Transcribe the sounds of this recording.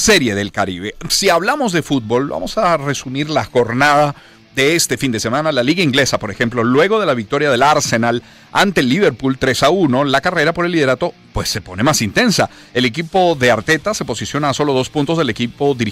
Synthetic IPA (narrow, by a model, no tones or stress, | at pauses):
se̞ɾje̞ðe̞lkaɾiβe̞siaβlamo̞zðe̞fut̪̚bo̞lba̰mo̞̰sare̞sumiɾlaxo̞ɾnaða | ðe̞est̪e̞find̪e̞se̞mãnalaliɣaiŋɡle̞sapo̞ɾe̞xe̞mplo̞lwe̞ɣo̞ð̞e̞laβik̚t̪o̞ɾjað̞e̞laɾsenal | ant̪e̞lːiβe̞ɾpult̪ɾe̞sauno̞lakare̞ɾapo̞ɾe̞lːiðeɾat̪o̞ | pwe̞sːe̞po̞ne̞masint̪e̞nsa | e̞le̞kipo̞ðe̞aɾt̪e̞t̪ase̞po̞sisjo̞naːso̞lo̞ðo̞spũnt̪o̞zðe̞le̞kipo̞ðiɾi